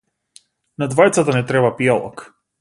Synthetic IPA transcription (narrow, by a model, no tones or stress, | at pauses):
nad̪vajt̪sat̪anɛt̪ɾɛbapiɔlˠɔ̰k